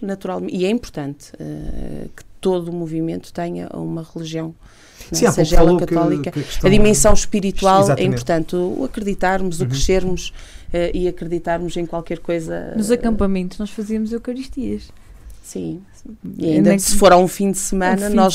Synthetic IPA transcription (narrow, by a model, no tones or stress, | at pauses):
nɐt̪uɾalˠm̃iɛĩmpʊɾt̪ɐ̃nt̪ɛ̰kɨ̥t̪oðumuvimẽnt̪u̥t̪ɛɲɐ̰ṵmɐʁɨlˠiʒiɐ̃w̃ | ñseʒɐɛlˠɐkɐt̪ɔlˠikɐɐðimẽsɐ̃w̃ʃpiɾit̪walˠaɛĩmpʊɾt̪ɐ̃nt̪uɐkɾɨðit̪aɾmuzukɾɨʃeɾmuʃɛʔiɐkɾɨðit̪aɾmuzẽj̃kwalˠkɛɾkojzɐ̰nuzɐkɐ̃mpɐmẽnt̪uʒnɔʃfɐziɐmuzewkɐɾiʃt̪iɐʃ | sĩ | iɐĩnd̪sɨ̥foɾaũfĩd̪sɨmɐ̃nɐnɔʒ